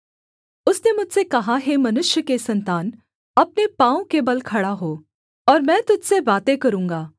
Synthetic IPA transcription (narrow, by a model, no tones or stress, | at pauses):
ʊsnemʊd͡ʒʱsekɐɦaɦemɐnʊʃjəkesɐ̃nt̪aːn | ɐp̚nepãːõkebɐlkʰɐɽaɦoː | ɔːɾmɛ̃ːt̪ʊd͡ʒʱsebaːt̪ekɐɾũːŋɡaː